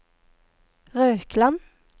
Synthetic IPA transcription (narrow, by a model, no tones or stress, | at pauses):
ʁøːkʰlɑn